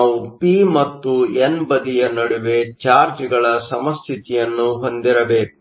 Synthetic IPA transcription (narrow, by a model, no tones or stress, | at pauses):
wupimɐt̪ːuenbɐd̪ijɐnɐɽuʋe̞t͡ʃaːɾd͡ʒiɡɐɭɐsɐmɐst̪ʰit̪ijɐnːuɦo̞nd̪iɾɐbe̞ːk